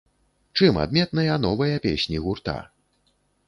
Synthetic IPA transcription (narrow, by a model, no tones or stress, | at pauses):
t͡ʂɨma̰d̪mʲɛt̪nɐjɐnɔvɐjɐpʲesʲnʲiɣurt̪a̰